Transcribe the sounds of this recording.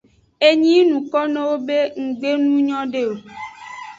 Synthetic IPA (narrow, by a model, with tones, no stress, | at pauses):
e˦ɲĩ˦nũ˨kɔ˦nẽ˦wo˦be˦ŋ̩˨ɡ͡be˦nũ˦ɲɔ̃˦ɖe˦o˨